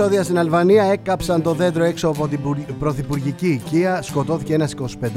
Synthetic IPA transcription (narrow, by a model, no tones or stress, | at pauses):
oðiɐst̪inɐlvɐniɐe̞kɐpsɐnt̪o̞ðe̞nd̪ɾo̞e̞ksoɐpot̪ibɾo̞θipuɾʝiciciɐsko̞t̪o̞θiceenɐsi̥ko̞si̥pe̞nd̪